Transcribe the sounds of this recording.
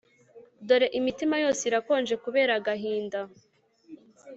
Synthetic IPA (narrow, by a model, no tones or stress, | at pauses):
do̞ɾe̞ʔimitimajo̞ːsiɾako̞ːnd͡ʒe̞kuβe̞ːɾaɡaɦiːnda